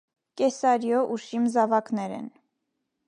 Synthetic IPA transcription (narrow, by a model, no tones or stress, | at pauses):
kɛsɑɾjɔʔuʃimzɑvɑknɛɾɛ̰n